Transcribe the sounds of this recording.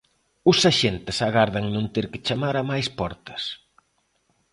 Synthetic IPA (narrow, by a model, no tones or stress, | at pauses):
ʊsaʃent̪ɪsaɣaɾðɐŋnõnt̪eɾkɪ̥t͡ʃamaɾamajspɔɾt̪ɐ̥s